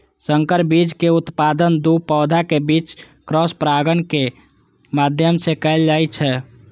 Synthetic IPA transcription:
səŋkəɾbid͡ʒkeut̪pad̪ənd̪upɔd̪ʱakebit͡ʃ | kɾɔspɾaɡənke | mad̪ʱjəmsekəɪld͡ʒajt͡ʃʰɛ

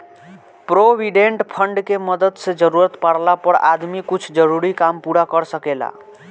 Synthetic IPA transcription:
pɾobiɖeɳʈpʰəɳɖkeməd̪əd̪sed͡ʒəɾuɾət̪paɽlapəɾa̰d̪mikut͡ʃʰd͡ʒəɾuɾikampuɾakəɾsəkela̰

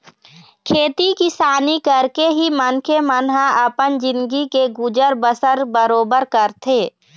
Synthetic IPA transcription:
kʰeːt̪ikisaːnikəɾkeɦimənkʰemənɦaəpənd͡ʒɪ̃nd̪ɡikeɡʊd͡ʒəɾbəsəɾbəɾoːbəɾkəɾt̪ʰeː

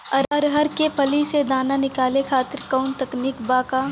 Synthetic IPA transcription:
ɐɾɐɾɦɐɾkepʰɐlised̪aːnanɪkaːlekʰaːt̪ɪɾkɔʊnt̪ɐkniːkbaːka

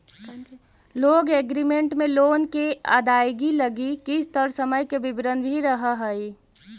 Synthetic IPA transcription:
loːɡeɡɾimẽɳʈmẽloːnkea̰ːd̪aːjɡiləɡikɪst̪əɾsəməjkebɪbɾənbʱiɾəɦəɦəi

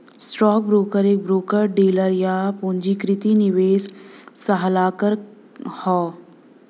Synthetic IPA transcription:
sʈɾɔːk̚bɾoːkəɾeːk̚bɾoːkəɾɖeːləɾjapõːɲd͡ʒikɾɪt̪iniʋeːssɐɦəlaːkəɾ | hɔː

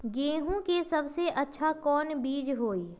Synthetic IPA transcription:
ɡẽːɦũkesɐbseʔɐtːʃʰakɔːnbiːd͡ʒɦoːiː

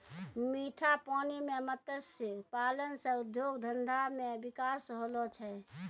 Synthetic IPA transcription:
miʈʰapɔnimemət̪əsepalənsəud̪joɡd̪ʱənd̪ʱamebikasɦolɔt͡ʃʰɛ

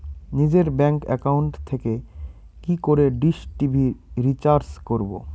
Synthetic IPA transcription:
nid͡ʑeɾbɛŋkɛ̰kauɳʈt̪ʰeke | kikoɾeɖiʃʈibʱiɾit͡ɕaɾskoɾbo̰

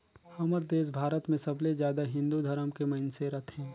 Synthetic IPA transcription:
hɐməɾd̪eːs̬bʱaːɾət̪mẽsɐblezjaːd̪aɦɪ̃nd̪ud̪ʱəɾəmkemɐɪnseɾɐt̪ʰɦɛ̃ː

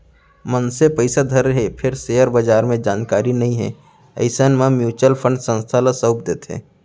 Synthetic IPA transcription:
mənsepəɪsad̪ʱəɾɦepʰɪɾseːjəɾbəd͡ʒaːɾmẽd͡ʒaːnkaːɾinɐɦĩɦɛ̰̃ː | ə̰ɪsənmãmjuːt͡ʃəlpʰə̃ɳɖsə̃nst̪ʰaləsəʊp̚d̪eːt̪ɦɛ̰ː

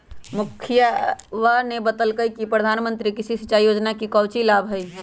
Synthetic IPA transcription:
mukʰijaʋənebət̪əlkəjkipɾəd̪ʱanmənt̪ɾikisisit͡ʃaijod͡ʒnakikəwt͡ʃilabɦəj

